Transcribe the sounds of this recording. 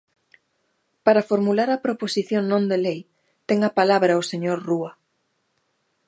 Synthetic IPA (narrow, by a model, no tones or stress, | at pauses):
paɾafoɾmulaɾɐpɾoposiθjoŋnõnd̪elej | t̪ɛŋɐpalaβɾɐoseɲoɾruɐ